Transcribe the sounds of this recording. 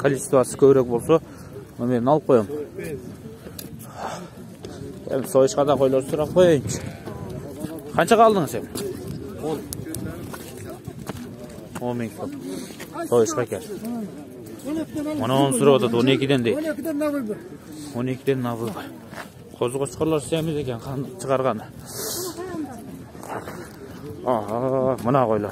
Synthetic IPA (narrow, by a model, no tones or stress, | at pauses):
kʰalʲisʲt̪uat̪skʲʰøβɪɾek̚bo̞lˠso | nomeɾnɑlˠɯp̚qʰojom | ḛmsojəʃqɑd̪ɑqʰo̞jlˠoɾsuɾɑp̚qʰojɑjn | qʰɑnt͡ʃɑʁɑlˠd̪əŋəsemɪ | olˠ | omiŋt̪ʰom | t̪ʰojəʃqɑkʲeɾ | mʊnɑonəssʊɾɑpwɑt̪ʰɑt̪wo̞ne̞kʲɪd̪e̞nd̪ej | wone̞kʲɪd̪enːɑzəzʁɑ | qʰozʁot͡ʃqoɾlˠɑɾsemɪze̞kʲenqʰɑnt͡ʃʰəʁɑɾʁɑn | ɑɦɑmʊnɑqojlˠɑɾ